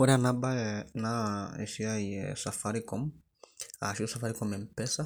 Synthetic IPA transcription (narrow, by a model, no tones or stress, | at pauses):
ɔɾɛanabanaɛ̰siaiɛ̰safaɾikɔm | a̰ʃiusafaɾikɔmɛmpɛsa